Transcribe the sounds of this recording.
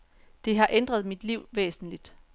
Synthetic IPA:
d̥e̝ɦɑ̈ʔend̥ʁɐð̞̩ˠmid̥liʊ̰ʋḛːsn̩lid̥

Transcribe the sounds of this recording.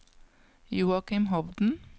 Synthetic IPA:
juːɑkɪmɦɔʋd̪n̩

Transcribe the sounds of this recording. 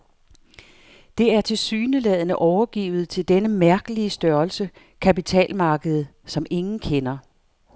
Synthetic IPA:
d̥e̝æɐt͡sʰe̝lsyːnəlɛð̞̰ˠənəʔɒʊɐɡ̥ḭːʊð̞̩ˠt͡sʰe̝ld̥enəmæɐɡ̥əliəsd̥ɶɐlsə | kʰæpit͡sʰɛ̰ːlmɑ̈ːɡ̥əð̞̩ˠ | sɒ̽me̝ŋn̩kʰenɐ

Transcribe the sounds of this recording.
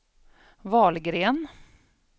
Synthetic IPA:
vɑːlɡɾeːn

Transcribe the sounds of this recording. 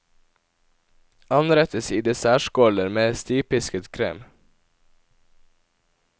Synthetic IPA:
ɑnɾɛt̪əsiːd̪eːsæːʃkoːləɾmeːst̪iːpɪskət̪kʰɾḛːm

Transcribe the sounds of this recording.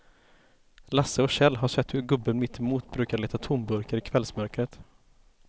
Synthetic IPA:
lasːəɔɕɛlːɦaʂɛt̪ːhɵɾɡɵbːənmɪt̪ʰːɪmuːt̪bɾʉ̟ːkaɭeːt̪at̪ʰʊmbɵɾkəɾɪkʰvɛlsmœɾkɾət̪

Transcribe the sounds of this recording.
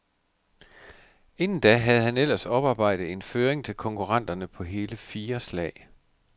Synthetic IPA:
e̝nn̩d̥æɦæð̞̩ˠɦænel̰ɐsɒ̽b̥ɑ̈ːb̥ɑ̈ɪ̰d̥ð̩ˠe̝nføːɐeŋt͡sʰe̝lkʰɒ̽ŋkʰuʁɑ̈n̰d̥ɐnəpʰɒ̽ɦe̝ːləfiːɐslɛ̰ːɪ

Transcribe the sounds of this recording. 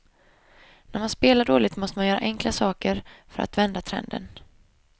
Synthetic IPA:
næɾmanspeːlaɖoːlɪt̪mɔst̪əmanjœːɾa̰ʔɛŋklasɑːkəɾfœɾʔa̰t̪vɛnd̪at̪ʰɾɛ̰nd̪ə̰n

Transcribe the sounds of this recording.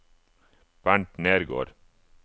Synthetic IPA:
b̥æɳʈneːɾɡo̰ːɾ

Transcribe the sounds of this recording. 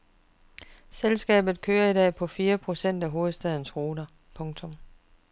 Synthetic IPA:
selsɡ̥ɛ̰ːb̥ð̩ˠkʰøːɐidɛ̰ːpʰɒ̽fiːɐpʰʁo̝sen̰d̥æɦo̝ːð̩ˠsd̥ɛð̞̰ˠn̩sʁoːd̥ɐ | pʰɔ̽ŋt͡sʰɔ̽m

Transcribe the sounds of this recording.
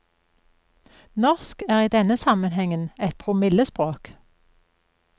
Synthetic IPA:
nɔʁskæːʁiːd̪ɛnəsɑmənhɛŋənɛt̪̚pʰʁʊmɪləspʁoːk

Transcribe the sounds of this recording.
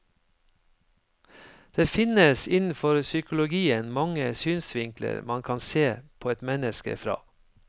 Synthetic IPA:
d̪̥eːfɪnəsɪnn̩fɔɾsʏkʊlʊɡiːənmɑŋəsyːnsʋɪŋklə̰ɾmɑnkʰɑnseːpʰoːɛt̪mɛnəskə̰fɾɑ̰ː

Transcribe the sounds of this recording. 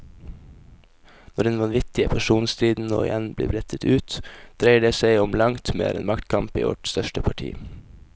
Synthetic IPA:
nɔɖɛnʋɑnʋɪt̪ɪəpʰæʃuːnst̪ʰɾiːd̪n̩no̰ːɪ̰jʔænblḭːbɾɛt̪ʰət̪ʰʉːt̪d̪̥ɾeɪəɖeːseɪɔmlɑŋt̪mḛːɾʔḛːnmɑkt̪kʰɑmpḭːʋɔ̰ʈst̪œʃtəpʰɑʈʰḭː

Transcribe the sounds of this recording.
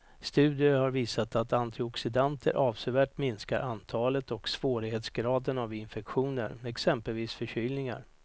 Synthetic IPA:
st̪ʉ̟ːd̪ɪəhaɾviːsat̪at̪ant̪ʰɪɔksɪd̪ant̪ʰəɾʔɑːvsevæːʈmɪnskaɾʔant̪ʰɑːlət̪ɔksv̥oːɾɪɡheːt̪sɡɾɑːd̪ənavɪnfɛkɧuːnə̰ɾmɛksɛmpəlviːsfœɕyːlnɪŋa̰ɾ

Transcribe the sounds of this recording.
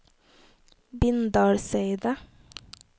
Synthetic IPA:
bɪnd̪ɑːɽseɪd̪ə

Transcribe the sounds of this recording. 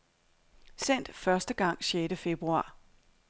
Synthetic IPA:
sen̰d̥fɶɐsd̥əɡ̥ɑ̈ŋ̰ɕeːɾəfe̝b̥ʁuɑ̰̈ː

